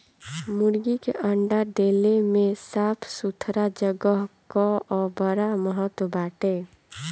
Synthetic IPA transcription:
mʊɽɡikeʔəɳɖaɖ̪eːlemẽsaːpʰsut̪ʰɾad͡ʒəɡəɦkoɔːbəɾaməɦət̪wəbaːʈe

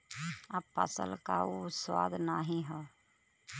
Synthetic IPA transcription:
əpːə̰sə̰lkaoswaːd̪naːɦĩɦɛː

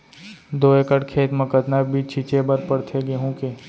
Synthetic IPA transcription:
d̪oːekəʈkʰeːt̪məkət̪nabʱiːt͡ʃʰit͡ʃebəɾpəɽt̪ʰeɡeɦũːke

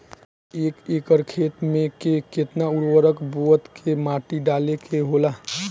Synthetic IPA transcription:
eːkeːkəɾkʰeːt̪mẽkeket̪naʊɽwəɾəkbuət̪kʰemaːʈiɖaːlekʰeɦolaː

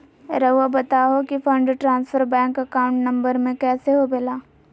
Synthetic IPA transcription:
ɾɐabɐt̪aɦokifʰɐ̃ɳɖʈɾãːnsfʰəɾbɛ̃ːŋkɐkaːʊ̃ɳʈnɐ̃mbəɾmẽkɛːseɦobelaː

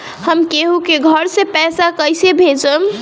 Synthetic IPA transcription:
həmkeɦukeɡʱəɾsẽpɛsakəjsebʱed͡ʒəm

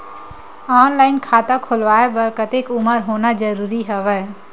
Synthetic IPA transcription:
aːnlaːɪnkʰaːt̪akʰʊlʋaːebɐɾkət̪eːkʊməɾɦoːnad͡ʒəɾuːɾiɦəʋɛ

